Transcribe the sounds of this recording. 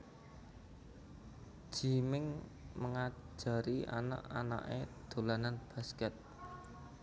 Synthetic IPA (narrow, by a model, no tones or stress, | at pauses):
ʒ̥i̤mɪŋməŋḁ | d͡ʒ̥a̤ɾia̰na̰ʔa̰na̰ʔḛd̪̥o̤lananb̥a̤skɛt̪̚